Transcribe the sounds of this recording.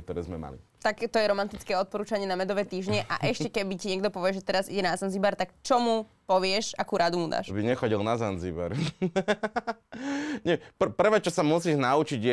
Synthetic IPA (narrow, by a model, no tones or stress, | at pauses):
k̚t̪ɔɾɛːzmɛma̰lḭt̪akt̪ɔjɛɾɔmant̪it͡skɛːɔt̪̚pɔɾuːt͡ʃaɲɪɛnamɛd̪ɔʋɛːt̪iːʒɲɛʔa̰ʔɛʃccɛkɛbiciɲɛɡd̪ɔpɔʋɪɛʒɛt̪ɛɾazḭɟɛnazanzibaɾt̪akt͡ʃɔmu | pɔʋɪɛʃakuːɾad̪umud̪a̰ːʃbiɲɛxɔɟilnazanziba̰ɾ | ɲɛprpr̩ʋɛːt͡ʃɔsamusiːʒnaut͡ʃiɟɛ